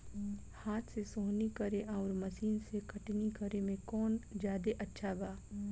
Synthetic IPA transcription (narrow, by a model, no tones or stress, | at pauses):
haːt̪ʰsesoːɦnikɐɾeʔaːɾmɐsiːnsekɐʈnikɐɾemẽkɔːnd͡ʒjaːd̪eʔɐtːʃʰabaː